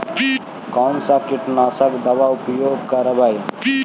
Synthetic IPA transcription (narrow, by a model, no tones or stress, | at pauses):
kansakiʈnaːsəkd̪ɐbaupjoːɡkaɾəbaj